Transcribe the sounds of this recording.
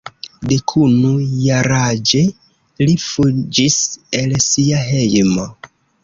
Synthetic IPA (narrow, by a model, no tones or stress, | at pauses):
de̞kʰunujaɾad͡ʒe̞ | lifud͡ʒiselsiaɦe̞jmo